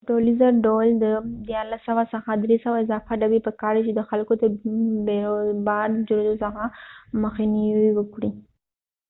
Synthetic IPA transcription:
ɖolizaɖold̪əd̪jɑɾlasːawasaxad̪ɾesawaɪzɑfaɖabipəkɑɾit͡ʃed̪əxalkot̪abeɾobɑɾd͡ʒʊɾd̪osəxaməxiniiwəkɽi

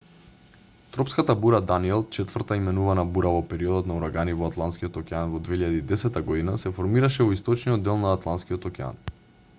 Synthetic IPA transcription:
t̪ɾɔpskat̪abuɾad̪aniɛlˠt͡ʃɛt̪vəɾt̪aimɛnuvanabuɾavɔpɛɾiɔd̪ɔt̪nauɾaɡanivɔat̪lˠanskijot̪ɔkʲɛanvɔd̪veiʎad̪iːd̪ɛsɛt̪ːaɡɔd̪inasɛfɔɾmiɾaʃɛvɔist̪ɔt͡ʃniɔd̪ːɛlˠnaːt̪lˠant̪skiɔt̪ɔkʲɛa̰n

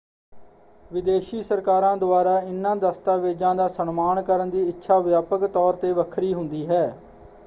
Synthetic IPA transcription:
ʋɪd̪eːʃiːsəɾkaːɾãːd̪ʊaːɾaːɪnːãːd̪əst̪aːʋeːd͡ʒãːd̪aːsənmaːnkəɾənd̪iːɪtːʃʰaːʋjaːpəkt̪ɔːɾt̪eːʋəkʰɾiːɦʊnd̪iːɦɛː

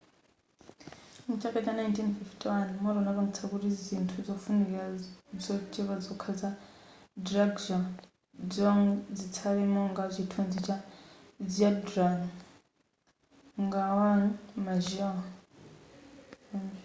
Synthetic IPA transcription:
mut͡ʃʰakʼat͡ʃanajntʰinfiftʰʼiwanmɔɾɔnakamut͡sʰakutid͡zʷintʰud͡zɔfunikasɔt͡ʃʼɛkad͡zɔkʰad͡zadɾaɡd͡ʒɔ | d͡zɔŋd͡zit͡sʰaɾimɔŋɡat͡ʃʷʰitʰond͡zit͡ʃa | d͡ziadɾan | ŋɡawaŋmaʒɛwa

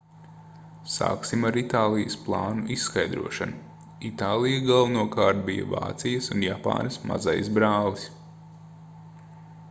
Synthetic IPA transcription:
sa̰ːksimaɾit̪aːlˠijəsplˠɑːnuʔisːkajd̪ɾṵɔʃanu | it̪aːlˠijaɡalˠvnuɔkaːɾt̪̚bijɐ̰va̰ːt̪sijɐsunjapa̰ːnsma̰za̰jsbɾaːlˠis

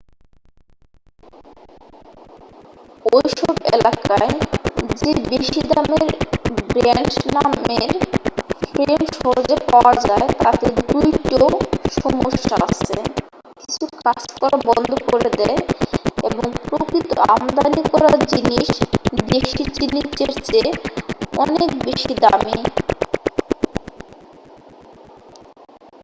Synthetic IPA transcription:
ojʃɔbḛlakaed͡ʑebeʃid̪ameɾbɾant͡ɕnameɾfɾelmʃɔɾd͡ʑepaoad͡ʑaet̪at̪ed̪ujʈoʃɔmoʃaa̰t͡ɕʰe | kit͡ɕʰukat͡ɕkɔɾabɔnd̪ʱokoɾed̪ɛeeboŋpɾokɾit̪o̰a̰md̪anikɔɾaɾd͡ʑiniʃd̪eʃit͡ɕinit͡ɕeɾt͡ɕe | ɔnekbeʃid̪ami

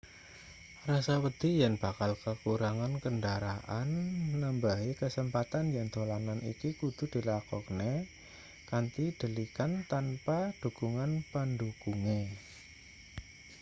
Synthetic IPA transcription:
rasawəd̪̥i̤jaŋb̥akalkəkuɾaŋankəndaɾaʔanːəmbaɦikəsəmpat̪anjaŋd̪̥olananḭkikud̪̥ṳd̪̥i̤lakɔkne | kant̪id̪̥ə̤likant̪anpad̪̥ṳkuŋanpəndukuŋe

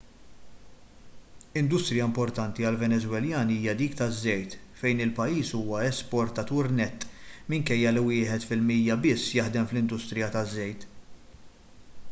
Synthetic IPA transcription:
ɪnd̪ʊst̪ɾɪjɐmpɔɾt̪ɐnt̪iɐlvɛnɛzwɛljɐːniiːjɐd̪iːkt̪ɐzːɛjt̪ | fɛjnɪlpɐjːiːsuːwɐɛspɔɾt̪ɐt̪uːɾnɛt̪ːmɪŋkɛjːɐliwɪːħɛt̪fɪlmiːjːɐbɪsːjɐħd̪ɛmflɪnd̪ʊst̪ɾɪjɐt̪ɐzːɛjt̪

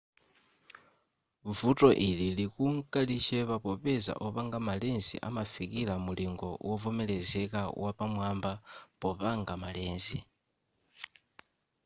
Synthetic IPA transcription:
vutʼɔʔililikuŋ̩kʼalit͡ʃɛβapɔpɛza̰ʔɔpaŋɡamalɛnzḭʔa̰mafikʼilamuliŋɡɔ̰wɔvɔmɛlɛzɛkʼawʔapamwambapɔpaŋɡamalɛːnzi

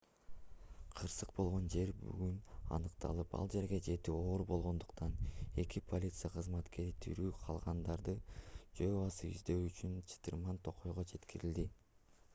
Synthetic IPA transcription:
qʰɯɾsɯq̚bo̞lˠʁo̞nd͡ʒe̞ɾby̰ɡynɑ̰nɯqt̪ʰɑ̰lˠɯpɑ̰lˠd͡ʒe̞ɾɡe̞d͡ʒe̞t̪io̞ːɾbo̞lˠʁo̞nd̪uqt̪ɑne̞kipʰo̞lʲit̪sɨjaqʰɯzmɑt̪ke̞ɾit̪ʰy̰ɾyːqʰɑlˠʁɑnd̪ɑɾd̪ɯd͡ʒøɑsɯy̰zd̪ø̞wyt͡ʃynt͡ʃʰi̥t̪ɯrmɑnt̪ʰo̞qʰo̞jʁod͡ʒe̞t̪kiɾild̪i

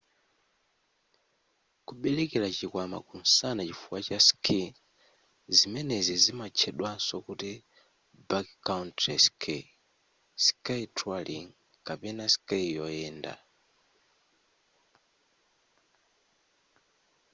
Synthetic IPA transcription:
kuɓɛlɛkɛlat͡ʃikwama̰kun̩sanat͡ʃifuwat͡ʃaskʰin | zimɛnɛzizimat͡ʃʰɛɗwansɔkuti | bakkauntɛskʰe | si̥kaitʰaliŋ | kapɛnasi̥kaijɔjɛːnda̰

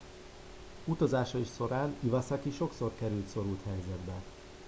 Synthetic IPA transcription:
ut̪ɒzaːʃɒiʃso̞ɾaːnivɒsɒkiʃo̞kso̞rkɛɾylt̪so̞ɾult̪hɛjzɛd̪bɛ

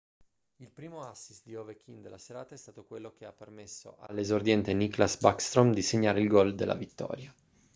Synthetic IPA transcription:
ilpɾiːmoasːist̪d̪iovekʰind̪elːaseɾaːt̪aɛst̪aːt̪okwelːok̟eapːermesːo̰ʔalːezord̪jɛnt̪eniklasbakst̪ɾomd̪iseɲːaːɾeilɡɔld̪elːʔa̰vit̪ːɔ̰ːɾja

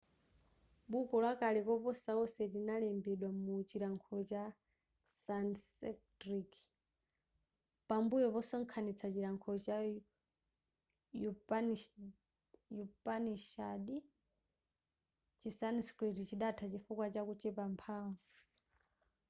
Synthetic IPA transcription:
ɓukɔlwakalɛkɔpɔsaɔsɛlinalɛmbɛɗwamut͡ʃiɾaŋkʰɔt͡ʃa | sansɛktɾik | pambujɔpɔsɔŋkʰanit͡sʰat͡ʃiɾaŋkʰɔt͡ʃa | jup | jupaniʃaɗi | t͡ʃisanskɾidit͡ʃiɗatʰat͡ʃifukwat͡ʃakut͡ʃɛpampʰaŋɔ

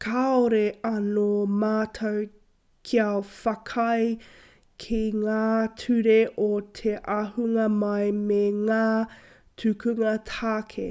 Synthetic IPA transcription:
kʰaoɾeɐnomaːtʰɐw | kʰiafɐkʰɐj | kʰiŋaːtʰʉɾeʔotʰeʔɐɦuŋɐmɐjmeŋaː | tʰʉkʰʉŋɐtʰaːkʰḛ

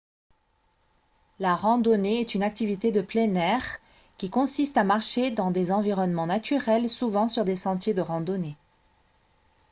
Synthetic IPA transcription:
laʁɑ̃d̪ɔneɛt̪ynak̚t̪ivit̪ed̪əplɛnɛʁ | kʲikɔ̃sist̪amaʁʃed̪ɑ̃d̪ezɑ̃viʁɔnmɑ̃nat̪ʰyʁɛlsuvɑ̃syʁd̪esɑ̃t̪jed̪əʁɑ̃d̪ɔne

